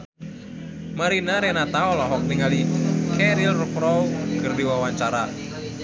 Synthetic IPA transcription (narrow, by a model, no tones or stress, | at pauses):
maɾinaɾenat̪aɔlɔɦɔk̚niŋalikʰɛɾilrupɾɔɡɨrdiwawaɲt͡ʃaɾa